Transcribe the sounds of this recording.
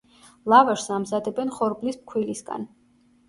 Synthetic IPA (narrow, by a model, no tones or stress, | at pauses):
lˠavaʃsamzad̪ɛbɛnχɔɾblisp̚kʰwilisɡa̰n